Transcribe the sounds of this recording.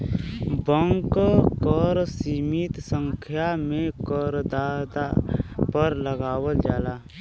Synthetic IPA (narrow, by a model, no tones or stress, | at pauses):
bəŋkkɔɾsiːmɪt̪sə̃ŋkʰjamẽkəɾd̪aːd̪a̰pəɾləɡaːwəld͡ʒaːlaː